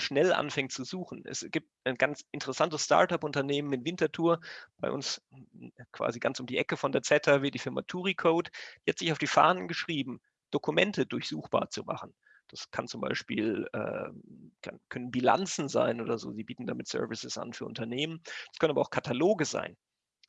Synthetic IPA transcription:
ʃnɛlʔa̰nfɛŋtt͡suzuːxn̩ɛ̰sɡ̥iːp̚taɪnɡant͡sʔɪntəʁɛsantəssta̰ɐtapʔʊntɐneːmənɪnvɪntɐtʰuːɐb̥aɪʔʊ̰ns | kv̥a̰ːziɡansʊmdiːʔɛkəfɔndeːɐt͡sɛtʰɐviɐtd̥iːfɪɐma̰tʰuːʁikʰoʊtd̥iːhatz̥ɪçaʊfd̥iːfa̰ɐnənɡəʃʁ̥iːbm̩ | d̥okʰumɛntədʊɐçz̥uːxb̥a̰ːɐt͡suma̰χn̩ | d̥askʰant͡sʊmba̰ɪʃpḭːlɛ̰ːkʰankʰœnənbila̰nt͡sn̩za̰ɪnʔoːdɐzo̰ːziːbiːtn̩daːmɪtsœ̰ɐvɪsəsʔa̰nfyːɐʔʊ̰ntɐneːmənd̥askʰœnənabɐaʊxkʰatʰaloːɡəza̰ɪn

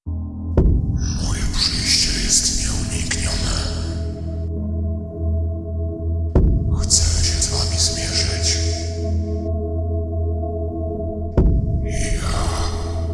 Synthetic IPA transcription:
mɔjɛpʂɘjɕt͡ɕɛjɛst̪mʲɛuɲikɲɔnɛ | xt̪sɛmɕɛzvamʲizmʲjɛʐɨt͡ɕ | ija

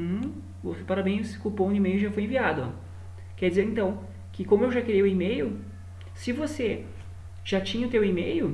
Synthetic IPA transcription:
vosepaɾabẽj̃skupõimejʊʒafojẽviad̪ʊɔ̰ | kɛɾd͡ʒɪzeɾẽnt̪ɐ̃w̃ | kɪkõmʊewʒakeɾejʊimejʊ | sɪvose | ʒ̥at͡ʃĩɲɐʊt̪ewimejʊ

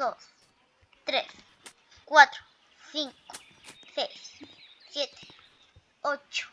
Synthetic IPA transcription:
d̪os | t̪ɾes | kwat̪ɾo̥ | siŋko̥sejssjet̪e̥ | ot͡ʃo̥

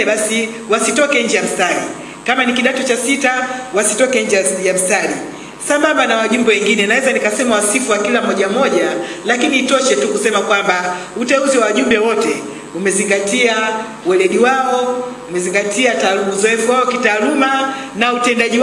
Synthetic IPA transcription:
ɓasi | wasitɔkɛɲd͡ʒɛjam̩stalḭ | kamanikiɗatut͡ʃasitawasitɔkɛɲ̩d͡ʒɛjam̩stali | sambambanawaʄumbɛwɛŋɡinɛnawɛzanikasɛmawasifuwakilamɔʄam̩ɔʄalakiniːtɔʃɛtukusɛmakwambautɛuziwawaʄumbɛwɔtɛ | umɛziŋɡatia | wɛlɛɗiwaɔumɛziŋɡatiataluuzɔɛfuwaɔkitaːlumanautɛndaʄiw

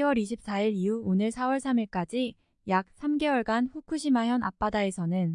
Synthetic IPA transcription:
wʌɾiɕʰip̚s͈aiɾiuonɯɭsʰawʌɭsʰamiɭk͈ad͡ʑi | jak̚s͈ʰamɡe̞wʌɭɡanɸukʰuɕʰimaɦjʌnap͈adae̞sʰʌnɯn

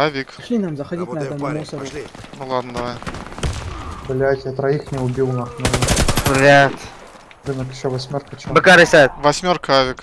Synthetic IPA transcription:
avʲikʃʲinamzɐxɐdʲitʲnɐɛt̪ɐmmusəɾ | nʊlˠad̪nəd̪ɐvaj | bɨlʲatʲɐt̪ɾɐixnʲɪʊbʲilˠnaxnɐɾɨnvɾʲat̪ | ɾɨnəkɪɕːovɐsʲmʲorkət͡ɕbɨkaɾɨsʲat̪vɐsʲmʲorkəavʲik

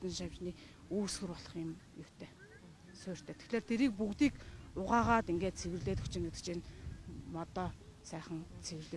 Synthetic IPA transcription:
t̪ə̆nʃawʲt͡ɕniː | uːsɡɘ̆rpɔɮɞ̥̆χɪ̆mjʊw̥t̪ʰeː | sʊːr̥ʲt̪ʰeːt̪ʰe̥xɮeːrt̪ʰeɾiːk̚pukt̪iːkʊʁaːʁaːt̪iŋɡeːt̪̚t͡sʰeɣɘ̆rɮeːt̪ɵkʰt͡ɕɪ̆ŋet̪ɘ̥̆t͡ɕiːnmɔt̪ɔː | sæːχə̆nt͡sʰeɣɘ̆rɮeː

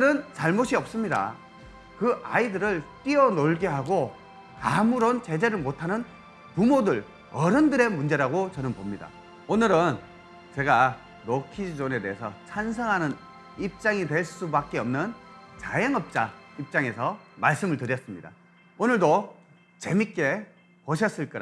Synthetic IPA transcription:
ɾɯnt͡ɕaɭmoɕʰiʌp̚s͈ɯmɲida̰ | kɯʔa̰idɯɾɯɭt͈iʌnoɭɡeɦaɡo | kamuɾont͡ɕe̞d͡ʑe̞ɾɯɭmotʰanɯn | pumodɯɭ | ʌɾɯndɯɾe̞mund͡ʑe̞ɾaɡot͡ɕʌnɯnpomɲida̰ | onɯɾɯn | t͡ɕe̞ɡa | nokʰid͡ʑone̞de̞ɦesʰʌt͡ɕʰansʰʌŋɦanɯn | ip̚t͡ɕ͈aŋidwe̞ɭs͈ubak̚k͈eʌmnɯnt͡ɕajʌŋʌp̚t͡ɕ͈aip̚t͡ɕ͈aŋe̞sʰʌmaɭs͈ɯmɯɭtɯɾjʌs͈ɯmɲida̰ | onɯɭdo | t͡ɕe̞mik͈e̞ | poɕ̬ʰʌs͈ɯɭk͈ɯɾ

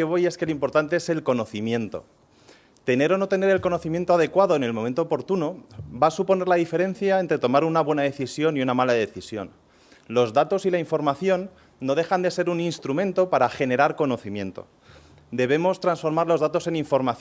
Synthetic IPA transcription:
eβo̞je̞skelimpo̞ɾt̪ant̪e̞ese̞lko̞no̞θimjẽ̞nt̪o̞̰ | t̪e̞ne̞ɾo̞no̞t̪e̞ne̞ɾe̞lko̞no̞θimje̞nt̪oað̞e̞kwaðo̞ene̞lmõment̪oːpo̞ɾt̪unobasupo̞ne̞ɾlaðife̞ɾe̞n̟θjaent̪ɾe̞t̪o̞maɾunaβwe̞naðe̞θisjo̞niunamalaðe̞θisjo̞̰n | lo̞zðat̪o̞silaiɱfo̞ɾmaθjo̞nː | o̞ð̞e̞xand̪e̞se̞ɾuninst̪ɾumẽ̞nt̪o̞paɾaxe̞ne̞ɾaɾko̞no̞θimjẽ̞nt̪o̞̰ | d̪e̞β̞e̞mo̞st̪ɾansfo̞ɾmaɾlo̞zðat̪o̞se̞niɱfo̞ɾmaθ

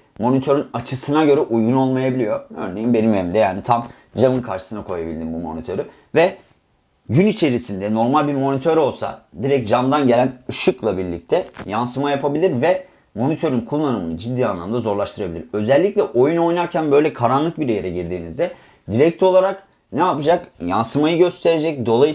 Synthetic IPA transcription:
mo̞nit̪ʰø̞ɾynat͡ʃʰɯsɯnaɟø̞ɾɛʔujɡuno̞lˠmajabilʲijo̞ø̰ɾnejimbe̞nimevind̪ɛjaːnit̪ʰam | d͡ʒamɯnkʰaɾʃɯ̥sɯnakʰo̞jabilʲd̪imbumo̞̰nit̪ʰø̞ɾy | vɛ | ɟynit͡ʃʰe̞ɾisind̪ɛno̞ɾmalʲbiɾmo̞nit̪ʰøɾo̞lˠsa̰d̪iɾɛc̚d͡ʒamd̪anɟe̞lʲænɯʃuklˠabiɾlʲḭc̚t̪ʰɛjansɯmajapʰabilʲiɾvɛ | mo̞nit̪ʰø̞ɾynkʰulˠːanɯmɯnɯd͡ʒid̪ːiːanlˠamɯnd̪azo̞ɾlˠaʃt̪ʰɯɾabilʲiɾø̞zɛlʲːiclʲɛʔo̞juno̞jnaɾcʰænbø̞jlʲɛkʰaɾanlˠɯk̚biɾejeɾɛɟiɾd̪iːnizd̪ɛ | d̪iɾɛc̚t̪ʰo̞lˠaɾak | nɛapɯd͡ʒakja̰nsɯmajɯɟø̞st̪ʰe̞ɾe̞d͡ʒɛc̚d̪o̞lˠaj

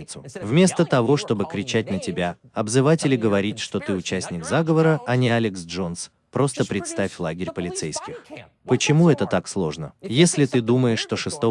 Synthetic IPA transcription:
ɪt̪sʊvmʲe̞st̪ət̪ɐvo̞ʂt̪o̞bɨkɾʲɪt͡ɕæt̚ʲnətʲɪbʲa | ɐbzɨvatʲɪlʲɪɡəvɐɾʲitʲʂt̪o̞t̪ɨʊt͡ɕæsʲnʲɪkzaɡəvəɾəɐnʲɪalʲɪksʐo̞ns | pɾo̞st̪əpɾʲɪt̪st̪afʲlˠaɡʲɪɾʲpəlʲɪt̪sɛjskʲɪx | pət͡ɕɪmuɛt̪ət̪akslˠo̞ʐnəjesʲlʲɪt̪ɨd̪uməjɪʂːt̪oʂɨst̪o

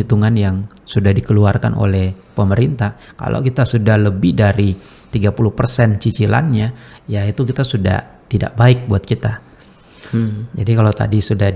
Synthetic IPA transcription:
it̪uŋanjaŋsudahdikəluarka̰nʔo̰lɛhpəməɾint̪ahka̰lʔo̰kit̪asudahləbɪhdaɾi | t̪iɡapuluhpərsɛnt͡ʃit͡ʃila̰nɲajait̪ukit̪asuda̰ht̪ida̰ʔbaɪk̚buat̪̚kit̪a | d͡ʒadikalot̪a̰disudah

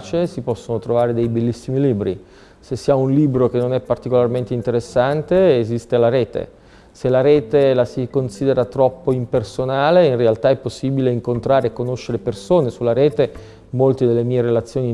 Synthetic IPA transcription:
t͡ʃesipɔsːonot̪ɾovaːɾed̪ejbelːisːimiliːbɾḭ | sesːiːaunliːbɾok̟enːonɛpːart̪ikolarment̪eint̪eɾesːant̪eːzist̪elaɾɛːt̪ḛ | selaɾɛːt̪elasikonsiːd̪eɾat̪ɾɔpːoimpersonaːleinrealt̪aɛpːosːiːbileiŋkont̪ɾaːɾeːkːonoʃːeɾepersoːnesulːaɾɛːt̪e | molt̪id̪elːemiːeɾelat̪sːjoːni

